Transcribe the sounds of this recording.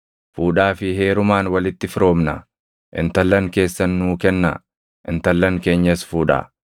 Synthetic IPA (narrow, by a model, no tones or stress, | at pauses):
fuːᶑaːfɪhe̞ːɾʊmaːnwɐlɪt̪ːɪfɪɾo̞ːmnɐ̰ | ʔɪ̰nt̪ɐlːɐŋke̞ːsːɐnːuːkɛnːɐ̰ | ʔɪ̰nt̪ɐlːɐŋke̞ːɲːɐsfuːᶑɐ̰